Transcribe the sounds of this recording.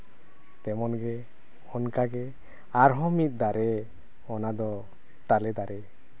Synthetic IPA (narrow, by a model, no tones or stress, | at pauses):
t̪ɛmɔnɡɛ | hɔnkaɡɛ | aɾɦɔmit̪̚ˀd̪aɾɛ | ɔnad̪ɔ | t̪alɛd̪aɾɛ